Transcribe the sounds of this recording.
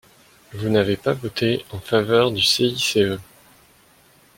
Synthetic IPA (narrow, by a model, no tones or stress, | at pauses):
vunavepavot̪ʰeɑ̃favœʁd̪yseiseø